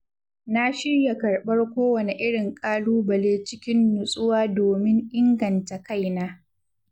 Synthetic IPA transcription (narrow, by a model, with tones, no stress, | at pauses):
na˦ʃɪ˦ɽja˨kɐ˨rɓɐ˦rkʷoː˦wɐ˨ne˨ʔɪ˦ɽɪ˨ŋkʼaː˦luː˦bɐ˨leː˦t͡ʃɪ˦kʲɪ˦nːʊ˨sʼʊ˦waː˦doː˨mɪ˦ŋʔɪ˦ŋɡɐ˨nta˨ka˦˨jnaː˦